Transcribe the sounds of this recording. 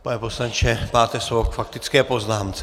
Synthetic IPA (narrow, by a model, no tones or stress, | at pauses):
panɛposlaɲt͡ʃɛpaːt̪ɛsovokfakt̪ɪt͡skɛːpoznaːmt͡sɛ